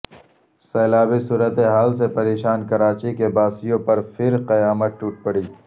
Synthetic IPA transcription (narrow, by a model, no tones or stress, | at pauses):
seːlaːbisuːɾət̪eɦaːlsepɐɾeːʃaːnkɐɾaːt͡ʃikebaːsijõpɐɾfʰɪɾqɐjaːmət̪̚ʈuːʈ̚pɐɽiː